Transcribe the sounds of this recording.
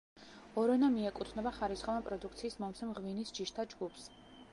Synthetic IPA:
ɔɾɔnamiɛkʼut̪ʰnɛbaχaɾisχɔvˠapʼɾɔd̪uk̚ʰt̪sʰiːsmɔmsɛmʁvinisd͡ʒiʃt̪ʰad͡ʒɡupʰs

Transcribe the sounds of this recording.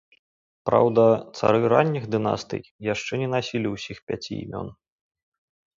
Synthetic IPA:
pɾa̰wd̪ɐt̪sa̰ɾɨɾanʲːiɣd̪ɨna̰st̪ɨ̰jjaʂt͡ʂɛnʲɛnasʲilʲiwsʲixpʲat͡sʲḭḭmʲɔ̰n

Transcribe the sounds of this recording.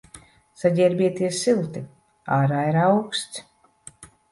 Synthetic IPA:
saɟʲɛɾʲbʲiɛt̪iɛsilˠt̪i | aːɾaːiɾawkst̪s

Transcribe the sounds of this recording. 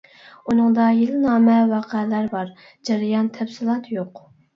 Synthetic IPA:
unɨŋd̪ɑjelɪnɑːmɛwɑqʰælæɾbɑɾ | d͡ʒɛɾɪjɑnt̪ʰɛpsɪlˠɑt̪joq

